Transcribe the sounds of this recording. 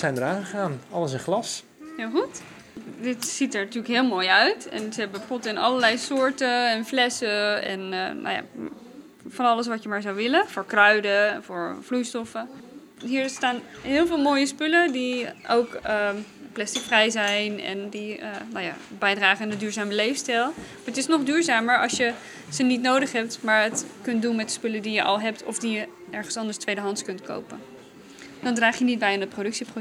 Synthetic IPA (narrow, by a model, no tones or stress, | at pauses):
sɛjndəɹaːəχaːnɑləsɪnχlɑs | hɪlˠxut | dɪtsitəɹnatyːləkɦɪːlˠmoːjœɥtɛ̰nsəɦɛbəpɔtəɪnɑ̰ləɹlɛjsʊːɹtəɛnflɛsəɛ̰nna̰wja̰ | fɑnɑləs̬ʋɑtjəmaːɹzawʋɪləfʊːɹkrœɥdəvʊːɹvlujstɔfə | ɦiːɹstaːnɦɪːlˠvɪːlˠmoːjəspølədiʔowkəplɛstɪkfrɛjzɛjnɛ̰ndiənawja̰ːbɛjdraːχənanədyːɹzaːməlejfstɛlˠmaːɹətɪsnɔχdyːɹzaːməɹɑ̰lˠsjə | z̥ənitnowdəχɦɛp̚tmaːɹətkɵntdunmɛt̚də̥spɵlədijəʔɑ̰lˠɦɛptʰɔ̰fdijə | ɛɹχənsɑndəstʋejdəɦɑntkɵntko̰wpən | d̥ɑndraːχjənid̚bɛjandət̚prodɵksipro